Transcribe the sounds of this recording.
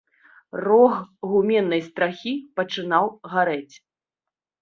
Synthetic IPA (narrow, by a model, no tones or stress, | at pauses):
rɔxɣumʲɛnːɐjst̪ɾaxʲipɐt͡ʂɨn̪awɣaɾɛt͡sʲ